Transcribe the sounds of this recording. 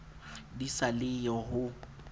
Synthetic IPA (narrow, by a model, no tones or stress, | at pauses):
disalɪjɔɦʊ